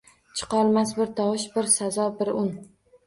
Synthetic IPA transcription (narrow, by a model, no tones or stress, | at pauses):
t͡ʃʰɨ̥qʰɒlˠmasbɪɾt̪ʰɒwɨʃbɪɾsazɒbɪɾʊn